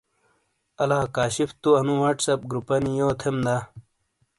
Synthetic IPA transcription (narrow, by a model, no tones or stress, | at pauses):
ɐlaːkaːɕift̪uɐnũwɐʈsɐp̚ɡɾupɐnijot̪ʰemd̪a